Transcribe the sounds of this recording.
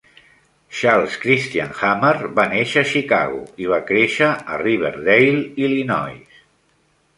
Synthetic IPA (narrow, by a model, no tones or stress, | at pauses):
ʃalˠskɾist̪ianxamərbaneʃəːʃika̰ɣṵiβ̞akɾeʃə̰ːriβ̞ə̰ɾðejlilinɔ̰js